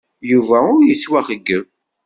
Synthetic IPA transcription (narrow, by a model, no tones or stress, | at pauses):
juvæʊɾjət͡sːwæχəɡːəm